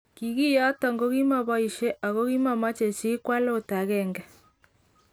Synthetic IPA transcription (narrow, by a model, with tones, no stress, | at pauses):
ki˨ɣi˦ja˦tɔ˨ŋɡo˦ɣi˦ma˦βɔ˦i˨ʃɛ˦ʔa˨ɣo˦ɣi˦ma˦ma˦t͡ʃe˨t͡ʃi˦kwa˦lo˦˨ta˨ɣɛ˦˨ŋɡɛ˨